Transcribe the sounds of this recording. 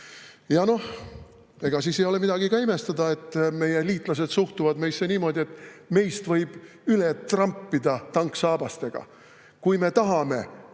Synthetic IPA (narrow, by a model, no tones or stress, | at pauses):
jɑno̞h | e̞ɡ̥ɑsiːsejo̞le̞mid̪ɑɡ̥ikɑime̞st̪ɑd̪̥ɑe̞t̪ːˑme̞jeliːt̪ˑlɑs̬e̞d̪̥suht̪uvɑd̪me̞jsːeniːmo̞d̪ʲie̞t̪ːˑme̞jst̪vɤjb̥ | yle̞t̪rɑmpːid̪̥ɑt̪ɑŋksɑːb̥ɑst̪e̞ɡ̥ɑ̰ | kujme̞t̪ɑɦɑme̞̰